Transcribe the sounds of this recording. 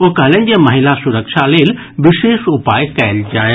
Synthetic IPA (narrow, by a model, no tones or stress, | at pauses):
oɦɡʱɐləñɪ̆d͡ʑeːmɐɦɪlasʊɾəkʃaleːl | ʋɪʃeːʃʊpaːjkɐjəld͡ʑaːj